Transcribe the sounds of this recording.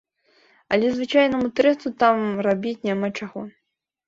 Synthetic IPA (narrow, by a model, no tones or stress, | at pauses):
ɐlʲɛzvɨt͡ʂajnɐmut̪ɾɛsut̪amrabʲit͡sʲnʲamat͡ʂaɣɔ